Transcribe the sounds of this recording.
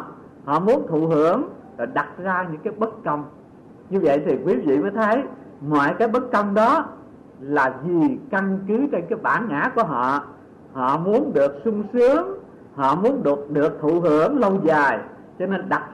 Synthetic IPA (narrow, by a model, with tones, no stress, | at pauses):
hɔ̰˧˨mu˨˦ənt̪ʰṵ˧˨hɨ˧˩əŋ | lɔ˨˩jɗa˨˩t̚zaː˧ɲɨ̰˧˥ŋkaː˨˦jɓə˦˥t̚kə˧wŋ͡m | ɲɨ˧və̰˧˨jt̪ʰi˨˩kwi˨˦vḭ˧˨məː˨˦jt̪ʰə˨˦j | mwɔ̰ː˧˨jkaː˨˦jɓə˦˥t̚kə˧wŋ͡mɗɔ˨˦ | laː˨˩vi˨˩ka˧nkɨ˨˦t͡ɕe˧nkaː˨˦jɓaː˧˩nŋa̰ː˧˥ku˧˩əɦɔ̰˧˨ | hɔ̰˧˨mu˨˦ənɗɨ˨˩ək̚sʊ˧ŋ͡msɨ˨˦əŋ | hɔ̰˧˨mu˨˦ənɗɨ˨˩ək̚ɗɨ˨˩ək̚t̪ʰṵ˧˨hɨ˧˩əŋlə˧wzaː˨˩j | t͡ɕɔ˧ne˧nɗa˨˩t̚